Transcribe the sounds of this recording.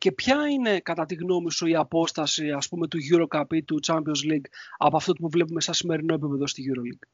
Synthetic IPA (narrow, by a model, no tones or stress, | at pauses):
ce̞pçɐine̞kɐt̪ɐt̪iɣno̞misoiɐpo̞st̪ɐsiɐspume̞t̪uʝuɾo̞kɐpit̪ut͡ʃɐmpionzliɡɐ̰poɐft̪o̞t̪epuvle̞pume̞sɐsime̞ɾino̞e̞p̬ipe̞ðo̞st̪iʝuɾo̞liɡ̥